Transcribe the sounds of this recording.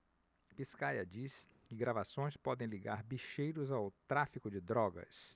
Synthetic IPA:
piskajɐd͡ʒis | kɪɡɾavasõj̃spɔd̪ẽj̃liɡaɾbiʃejɾʊzawt̪ɾafikʊd͡ʒɪd̪ɾɔɡɐ̰s

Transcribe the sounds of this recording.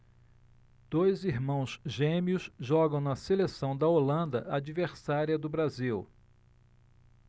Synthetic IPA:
d̪̥ojziɾmɐ̃w̃zʒẽmiʊsʒɔɡɐ̃w̃nɐselesɐ̃w̃d̪ɐolɐ̃nd̪ɐʔad͡ʒiveɾsaɾiɐd̪ʊbɾaziw

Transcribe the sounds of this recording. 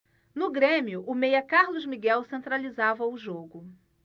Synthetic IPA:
nʊɡɾẽmiʊʔʊmejɐkaɾlʊzmiɡɛwsẽnt̪ɾalizavɐʊʒoɡʊ

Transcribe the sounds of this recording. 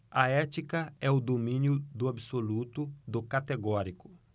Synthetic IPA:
ɐɛt͡ʃikɐɛʊd̪omĩnjʊd̪ʊabsolut̪ʊd̪ʊkat̪eɡɔɾikʊ

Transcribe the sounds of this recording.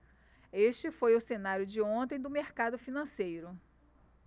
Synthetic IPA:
eʃt͡ʃɪfojʊsenaɾjʊd͡ʒɪõt̪ẽj̃d̪ʊmeɾkad̪ʊfinɐ̃sejɾʊ

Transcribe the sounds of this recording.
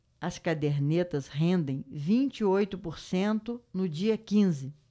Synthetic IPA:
ɐskad̪eɾnet̪ɐsɦẽnd̪ẽj̃vĩnt͡ʃiojt̪ʊpoɾsẽnt̪ʊnʊd͡ʒiɐkĩzɪ

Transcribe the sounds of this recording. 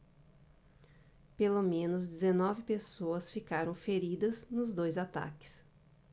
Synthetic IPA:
pelomẽnʊzd͡ʒɪzenɔvɪpesoɐsfikaɾɐ̃w̃feɾid̪ɐznʊzd̪ojzat̪a̰kɪ̥s

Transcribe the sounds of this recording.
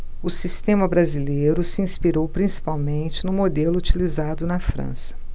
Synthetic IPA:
ʊsist̪ẽmɐbɾazilejɾʊsɪĩspiɾowpɾĩsi̥pawmẽnt͡ʃɪnʊmod̪elʊut͡ʃilizad̪ʊnɐfɾɐ̰̃sɐ̥

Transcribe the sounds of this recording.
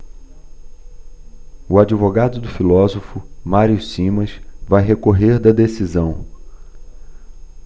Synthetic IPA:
uad͡ʒivoɡad̪ʊd̪ʊfilɔzofʊmaɾiʊsĩmɐsvajɦekoɦeɾd̪ɐd̪esizɐ̃w̃

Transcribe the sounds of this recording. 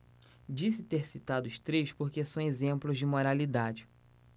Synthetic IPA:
d͡ʒisɪt̪eɾsit̪ad̪ʊst̪ɾejʃpoɾkesɐ̃w̃ezẽmplʊzd͡ʒɪmoɾalid̪ad͡ʒɪ

